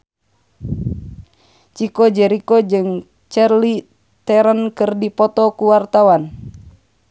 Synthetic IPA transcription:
t͡ʃikɔd͡ʒɛɾikod͡ʒɨŋ | t͡ʃɛrli | t̪ɛɾənkɨrdipɔt̪ɔkuwart̪awan

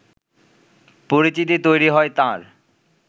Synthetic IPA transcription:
poɾit͡ɕit̪̬it̪ojɾiɦɔet̪ãɾ

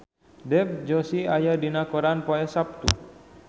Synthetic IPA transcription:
dɛp̚d͡ʒɔsiajadinakɔɾanpɔɛsap̚t̪ṵ

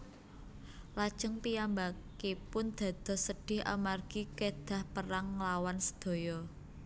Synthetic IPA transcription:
lad̥ʒ̥əŋpijambakepʊnd̪̥a̤d̪̥ɔ̤hsəɖ̥ɪ̤ha̰marɡ̥iked̪̥a̤hpəɾaŋːəlawansə̥d̪̥o̤jɔ

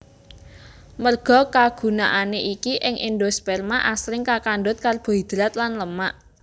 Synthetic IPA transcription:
mərɡ̥ɔ̤kaɡ̥ṳnaʔaneʔikiʔɪŋʔindospɛrmaʔaslɪŋkakanɖʊt̪̚karb̥ɔ̤id̪̥ɾat̪lanləmaʔ

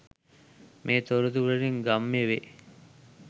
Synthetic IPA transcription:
mʔeːt̪oɾud̪uɾɐɾiŋɡamːeʋe

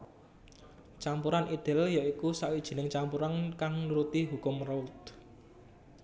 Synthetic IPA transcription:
t͡ʃampuɾanʔid̪̥ɪ̤ljaikusawid̥ʒ̥i̤nɪŋt͡ʃampuɾankaŋluɾut̪iɦukʊmrɔut̪̚

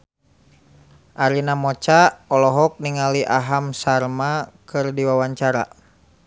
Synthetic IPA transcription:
ʔaɾinamɔt͡ʃaɔlɔɦɔk̚niŋaliʔaɦamsarmakɨrdiwawaɲt͡ʃaɾa̰

